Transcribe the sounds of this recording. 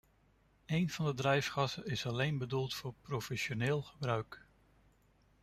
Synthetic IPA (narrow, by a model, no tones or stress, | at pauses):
ejnv̥ɑndədrɛjfχɑsəɪsɑlejnbədulˠtfʊːɹprofɛsoneːlˠχəbrœɥk